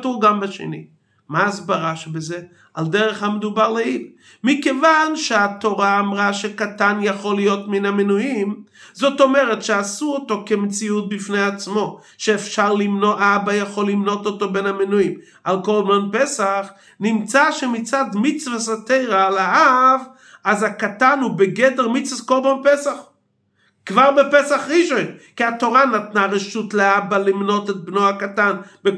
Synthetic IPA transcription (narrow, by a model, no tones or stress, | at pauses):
tuʁɡambaʃḛnḭ | mazbaʁaʃbeze | aldɛʁɛχhamed̪ubaʁleil | mikevanʃeat̪oʁaːmʁaʃekatanjaχolijotminamenuim | zotomɛʁɛtʃeasuotokemt͡siut̚bifnejat͡smo̞ | ʃeːfʃaʁlimnoʔbajaχolːimnototobenamenuim | alkolbanpesaχ | nimt͡saʃemit͡sad̪mit͡svasatejʁaːlaav | azakatanhubeɡedeʁmit͡svaskolbanpesaχ | kvaʁbepesaχʁiʃojnkiato̞ʁanat̪naʁeʃutleabalimno̞tet̚bnohakatanbe